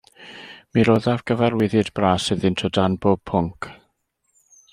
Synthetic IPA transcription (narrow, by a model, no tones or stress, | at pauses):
miɾoðavɡ̥əvɛrwɪðɨdbraːsɨðɪntʰɔdanbob̚pʰʊŋkʰ